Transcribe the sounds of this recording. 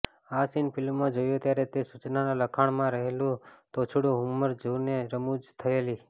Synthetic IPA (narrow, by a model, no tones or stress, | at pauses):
asinpʰɪlmːãd͡ʒojũt̪jaɾet̪esut͡ʃnanãləkʰaɳ̃mãɾəɦelũt̪ot͡ʃʰuɽũɦumːəɾd͡ʒuneɾəmud͡ʒt̪ʰəeli